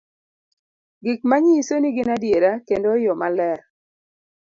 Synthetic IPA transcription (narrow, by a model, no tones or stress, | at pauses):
ɡɪk̚maɲisoniɡɪnadjeɾakendojɔmalɛ